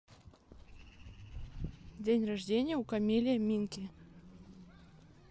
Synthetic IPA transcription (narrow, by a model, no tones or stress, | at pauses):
dʲenʲraʐdʲenʲɪjəukamʲilʲɪjəmʲinkʲi